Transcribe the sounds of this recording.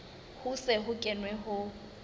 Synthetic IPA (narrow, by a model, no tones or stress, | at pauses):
hʊsɛɦʊkʼɛnwɛɦʊ